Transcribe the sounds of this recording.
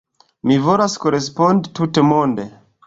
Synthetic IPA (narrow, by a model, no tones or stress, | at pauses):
mivolaskoɾespondtutemonde